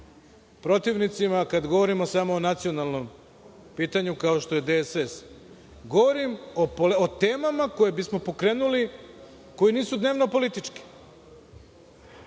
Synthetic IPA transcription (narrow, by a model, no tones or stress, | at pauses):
pɾo̞t̪iʋnit̪simakad̪ɡo̞ʋo̞ɾimosamo̞ːnat̪sio̞nalˠno̞m | piːt̪aɲukao̞ʃt̪o̞je̞d̪eses | ɡo̞ʋo̞ɾimopoot̪e̞ːmamako̞jebismo̞po̞kɾe̞ːnuli | ko̞jiniːsud̪ne̞ːʋno̞po̞lit̪it͡ʃki̥